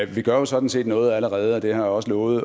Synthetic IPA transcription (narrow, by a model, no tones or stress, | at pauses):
ʋiɡ̥ɶɐjo̝sɒ̽d̥n̩se̝̰ːd̥nɔ̽ːð̩ˠæləʁɛːð̞ˠəɒ̽d̥e̝hɑ̈jiɒ̽səlɔːʊð̩ˠ